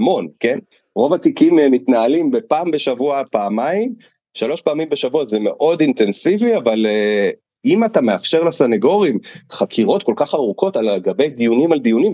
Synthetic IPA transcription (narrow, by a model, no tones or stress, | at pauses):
mo̞nke̞n | ʁo̞vatikimmitnaːlimbepaːmbe̞ʃavuapaːmaim | ʃalo̞ʃpaːmimbeʃavuazeme̞ʔo̞dint̪e̞nsiviavale | imatameafʃe̞ʁlasaneɡo̞ʁimχakʰiʁo̞tko̞lkaχaʁuko̞talɡabe̞jd̪ijunimald̪ijunim